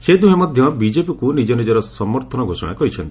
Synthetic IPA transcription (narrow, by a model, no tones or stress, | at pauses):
sed̪uɦemɔd̪ʱjɔbid͡ʒepikunid͡ʒɔnid͡ʒɔɾɔsɔmɔɾt̪ʰɔnɔɡʱosɔ̰ɽ̃a̰kɔɾit͡ʃʰɔnt̪i